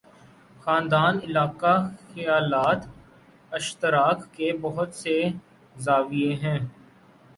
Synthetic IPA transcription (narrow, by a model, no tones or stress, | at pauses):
xãːnd̪aːnɪlaːkaxɐjaːlaːt̪ | ɪʃt̪ɪɾaːkːebɐɦʊt̪se | zaːʋieɦɛ̃ː